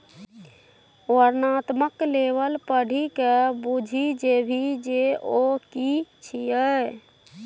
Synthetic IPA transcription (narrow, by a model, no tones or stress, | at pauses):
oəɾnat̪məklebəlpəɽ̤ʱikebud͡ʒʱid͡ʒebʱid͡ʒeokit͡ʃʰijə